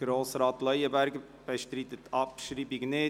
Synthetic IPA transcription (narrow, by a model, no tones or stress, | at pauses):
ɡ̥ɾoːsɾɑːt̪lœjəbæɾɡə | b̥ɛʃtɾit̪ət̪ʰɑpʃɾiːbiɡneː